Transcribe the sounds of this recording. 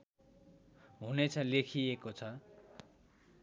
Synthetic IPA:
ɦunet͡sʰʌlekʰijekot͡sʰʌ

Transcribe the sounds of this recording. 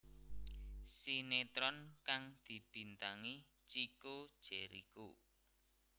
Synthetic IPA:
sinet̪ɾɔnkaŋd̪̥i̤b̥i̤nt̪aŋi | t͡ʃikod̥ʒ̥ɛɾḭko

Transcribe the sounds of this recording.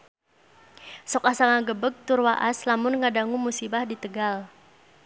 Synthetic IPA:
sɔkasaŋaɡəbək̚t̪ʊrwaʔaslamʊnŋadaŋumusibahdit̪əɡal

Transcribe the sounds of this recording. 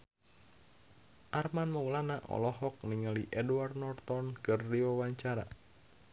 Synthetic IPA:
ʔarmanmaulanaʔɔ̰lɔɦɔk̚niŋaliʔɛduart̪̚nɔrt̪ɔnkɨrːiawaɲt͡ʃaɾa̰

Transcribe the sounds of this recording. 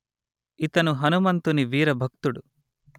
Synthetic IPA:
it̪ɐnuɦɐnumɐnt̪uniʋiːɾɐbʱɐk̚t̪uɽu

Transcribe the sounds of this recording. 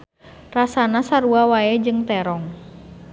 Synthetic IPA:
rasanasaɾuawaɛd͡ʒɨŋt̪ɛɾɔŋ

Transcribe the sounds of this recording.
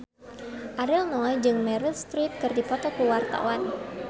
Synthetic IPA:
ʔaɾilnɔjd͡ʒɨŋmɛɾilst̪ɾit̪̚kɨrdipɔt̪ɔkəwart̪a̰wan

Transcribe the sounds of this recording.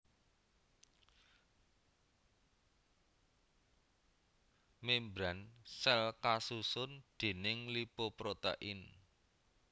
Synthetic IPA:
membɾansɛlkasusʊnd̪̥e̤nɪŋlipopɾot̪a̰ʔɪn

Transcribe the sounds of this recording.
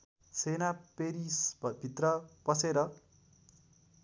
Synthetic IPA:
senapeɾisbʱit̪rʌpʌseɾʌ

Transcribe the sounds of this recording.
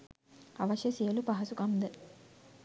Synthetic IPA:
ɐʋɐʃjɐsijɐlupɐɦɐsukɐmd̪ə

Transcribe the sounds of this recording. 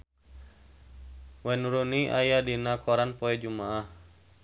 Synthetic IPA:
wɛnuɾuniʔajadinakɔɾanpɔɛd͡ʒumaah

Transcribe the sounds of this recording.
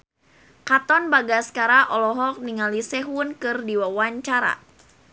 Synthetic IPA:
kat̪ɔnbaɡaskaɾaʔɔlɔɦɔk̚niŋalisɛɦwʊnkɨrdiwawaɲt͡ʃaɾa̰

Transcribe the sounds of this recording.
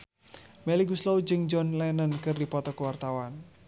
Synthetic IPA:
mɛliɡuslɔwd͡ʒɨŋd͡ʒɔnlɛnənkɨrdipɔt̪ɔkəwart̪awan

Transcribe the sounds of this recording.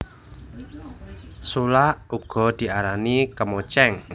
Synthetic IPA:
sulaʔuɡ̥ɔ̤d̪̥i̤aɾanikəmot͡ʃɛŋ

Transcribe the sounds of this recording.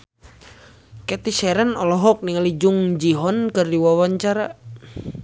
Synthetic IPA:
kɛt̪isɛɾɛnɔlɔɦɔk̚niŋalid͡ʒuŋd͡ʒiɦɔnkɨrdiwawaɲt͡ʃaɾa̰

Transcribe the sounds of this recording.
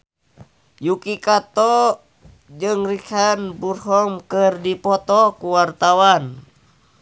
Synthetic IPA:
jukikat̪ɔ | d͡ʒɨŋrikanburhɔmkərdipɔt̪ɔkuwart̪awan

